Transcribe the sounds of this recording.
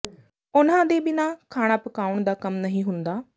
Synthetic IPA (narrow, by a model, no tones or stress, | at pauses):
ʊnãːd̪eːbɪnãːkʰaːɽ̃aːpəkaːʊɳd̪aːkəmnəɦĩːɦʊnd̪aː